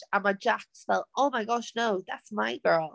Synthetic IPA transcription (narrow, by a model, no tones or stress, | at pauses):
ə̃nmaɪd͡ʒæksfɛlˠtoʊmaɪɡɑʃnoʊðætsmaɪɡɜ˞lˠ